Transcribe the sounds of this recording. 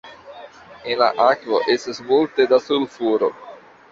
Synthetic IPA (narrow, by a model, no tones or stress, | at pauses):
enla̰ʔakvoʔesesmolt̪ed̪asulfuɾok